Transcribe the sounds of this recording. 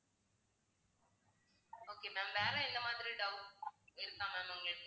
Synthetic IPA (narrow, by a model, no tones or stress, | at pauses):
oːkeːmɛ̃ːmʋeːɾɐ̃ɪnd̪ɐmaːðɪɾiɖɐʊɪɾɯk̪ːãːmɛ̃ːmɐ̃ŋɡɪk̪ː